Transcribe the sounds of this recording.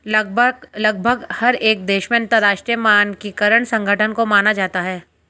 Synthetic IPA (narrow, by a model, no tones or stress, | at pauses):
lɐɡ̚bʱəɡlɐɡ̚bʱəɡhɐɾeːk̚d̪eːʃmẽɐ̃nt̪əɾaːʃʈɾijəmaːnkikɐɾəɳ̃sɐ̃ŋɡʱəʈʰənkomaːnad͡ʒaːt̪aɦɛː